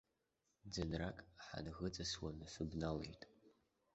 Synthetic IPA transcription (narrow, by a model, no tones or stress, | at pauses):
d͡zɨnrakʼħa̰nɣət͡sʼɐswanɨsɨbnalḛjtʼ